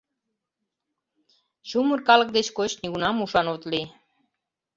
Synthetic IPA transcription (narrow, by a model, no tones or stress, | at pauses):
ɕumurkɑlək̚d̪et͡ɕkot͡ɕniɣunɑmuʃɑnot̪li